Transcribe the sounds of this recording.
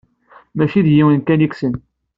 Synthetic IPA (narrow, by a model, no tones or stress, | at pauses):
mæʃiðjiwənkæniksən